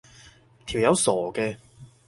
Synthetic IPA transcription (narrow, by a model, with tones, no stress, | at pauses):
t̪ʰiː˨˩wjɐ˨˧wsɔː˨˩kɛː˧